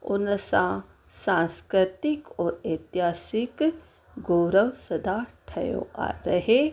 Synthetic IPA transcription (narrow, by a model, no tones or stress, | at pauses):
ʊ̰nəsã | sãːskɾɪt̪ɪkɔːɾet̪jɦaːsɪk | ɡoːɾəʋsɐd̪ʱaʈʰɐjo̰ʔa̰ɾɐɦe